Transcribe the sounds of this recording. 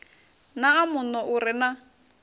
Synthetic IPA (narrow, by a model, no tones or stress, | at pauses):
naːmʊnɔʔuɾɪna